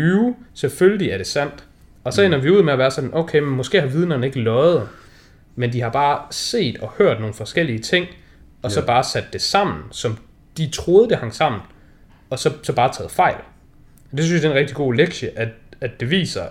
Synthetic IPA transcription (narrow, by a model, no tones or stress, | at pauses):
yselføljliæɐɾe̝sæn̰d̥ | ɒ̽sɒ̽enɐʋiuð̰ˠmeæʋæːɐsɒ̽d̥n̩ʔoʊkʰeɪmemɒ̽sɡ̥e̝̰ːhɑ̈ʋið̞ˠnɐːne̝ɡ̥əlɒ̽ɪð̞̩ˠ | mend̥ihɑ̈b̥ɑ̈ːse̝̰ːd̥ɒ̽høɐ̰d̥no̝ːn̩fɒ̽sɡ̥el̰iət͡sʰe̝ŋ̰ | ɒ̽sɒ̽b̥ɑ̈ːsæd̥ːe̝sɑ̈m̰n̩sɒ̽m | d̥it͡sʰʁo̝ːð̞ˠd̥e̝hɑ̈ŋ̰sɑ̈m̰n̩ | ɒ̽sɒ̽sɒ̽b̥ɑ̈ːt͡sʰɛ̰ːð̞̩ˠfɑ̈ɪ̰l | d̥esynsjd̥enʁɛɡ̥̚d̥iɡ̥o̝̰ːleɡ̥ɕəʔæ̥æd̥e̝ʋḭːsɐ